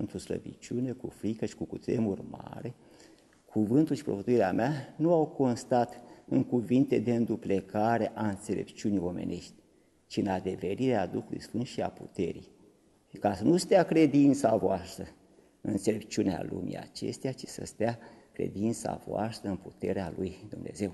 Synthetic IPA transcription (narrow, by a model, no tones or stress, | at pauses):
ɨnt̪ɾuslə̰bḭt͡ʃune̞kufɾikəʃi̥kukut̪ɾemurma̰ɾe̞ | kʰuvɨnt̪ulʃipɾovət̪uiɾeameanuawko̞nst̪at̪ɨŋkuvint̪e̞d̪e̞ɨnd̪uple̞kaɾe̞ʔaɨnt̪se̞le̞̰pt͡ʃiunijo̞me̞̰nʔe̞ʃt̪ʲ | t͡ʃiɨnad̪e̞ve̞ɾiɾead̪uxulṵjsfɨnd̪ʃia̰pṵt̪e̞̰ɾij | kasənust̪eakɾe̞d̪int̪savoast̪ɾə | ɨnɨɨse̞le̞p̚t͡ʃunea̰lṵmḭa̰t͡ʃe̞st̪eat͡ʃi̥sə̰st̪ea | kɾe̞̰d̪int̪sa̰voa̰st̪ɾəɨnput̪e̞ɾealujd̪umne̞̰ze̞w